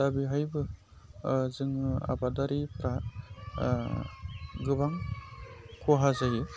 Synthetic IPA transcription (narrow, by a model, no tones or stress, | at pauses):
dabiɦajbɯ | zɯŋa̰badaɾipʰɾa | ɡɯbaŋ | kʰuɦazajɯ